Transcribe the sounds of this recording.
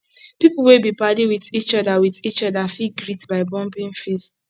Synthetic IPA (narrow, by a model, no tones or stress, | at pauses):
pipl̩webipadiwiðit͡ʃɔdawiðit͡ʃɔdafiɡɹitbaɪbɔ̃mpĩnfist